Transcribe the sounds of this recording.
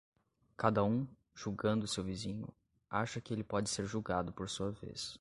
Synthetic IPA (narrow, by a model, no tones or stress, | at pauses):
kad̪ɐũ | ʒ̥uɡɐ̃nd̪ʊsewvizĩɲʊ̰ | aʃɐkɪelɪpɔd͡ʒɪseɾʒuɡad̪ʊpoɾsuɐvḛs